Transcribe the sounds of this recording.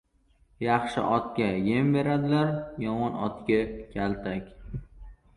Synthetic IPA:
jɑχʃɪ̰ʔɒt̪kʲajembe̞ɾad̪ɪlaɾjɒmɒnɒ̰t̪kʲakʲʰalt̪ʰakʲ

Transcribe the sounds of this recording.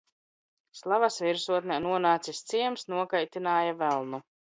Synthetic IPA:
slˠavasviɾsuɔt̪̚nʲɛnuɔnaːt̪sist̪siɛmsnuɔkajt̪inaːjavɛlˠnu

